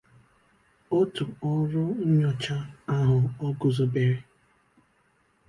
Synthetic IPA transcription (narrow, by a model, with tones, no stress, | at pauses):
o˦tʊ˨ɔ˦ɾʊ˦ɲ̩˦ɲɔ˨t͡ʃa˦a˦ɦʊ˨ɔ˦ɡʊ˨zʊ˨be˨ɾe˦